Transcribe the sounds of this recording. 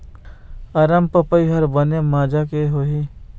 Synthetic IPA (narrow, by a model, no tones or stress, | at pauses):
ɐɾəmpəpəiɦɐɾbənemaːd͡ʒakeɦoɦi